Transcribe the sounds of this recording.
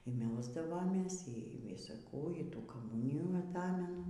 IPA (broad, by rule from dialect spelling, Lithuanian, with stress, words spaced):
iː ˈmʲɛlˠzdɐʋoːmʲeːs iː ˈʋʲɪsɐ ˈkuː iː ˈtuː kɐˈmʊnʲɪjuː ɐˈtɑːmʲɛnʊ